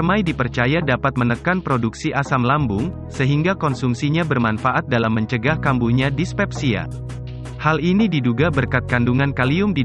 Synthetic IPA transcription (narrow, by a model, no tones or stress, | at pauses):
majdipərt͡ʃajadapat̪̚mənəkanpɾoduksiʔasamlambʊŋ | səɦiŋɡakɔnsumsiɲabərmanfaʔat̪̚dalamːəɲt͡ʃəɡahkambuhɲadispɛp̚sia̰ | halinididuɡabərkat̪̚kanduŋankaliʊmdi